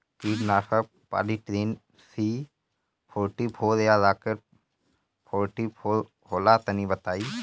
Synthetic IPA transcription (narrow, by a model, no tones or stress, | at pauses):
kiːɖnaːkə | pa̰ːɖiʈɾeːn | si | pʰoːɾʈipʰhoːljazaːkəɾ | pʰoːɾʈipoː | hoːlat̪ənibət̪aːiː